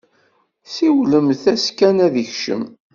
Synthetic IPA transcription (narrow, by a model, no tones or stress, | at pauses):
siwləmθæskænæðiçʃə̰m